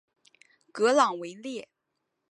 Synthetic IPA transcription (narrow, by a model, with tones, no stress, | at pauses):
kɤ˧˥lɑ˨˩ŋwe˧˥ɪljɛ˥˩